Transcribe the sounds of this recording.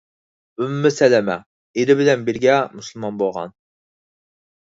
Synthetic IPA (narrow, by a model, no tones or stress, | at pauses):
ymuːɪsɛlɛmɛ̰ | eɾɪbɪlɛnbɪɾɡʲɛmusulˠmɑnbolˠʁɑ̰n